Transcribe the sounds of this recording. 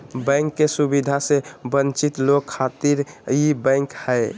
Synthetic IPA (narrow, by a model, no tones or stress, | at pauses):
bə̃ŋkːesubid̪ʱasebənt͡ʃit̪loɡkʰːat̪iɾjibə̃ŋkhɛj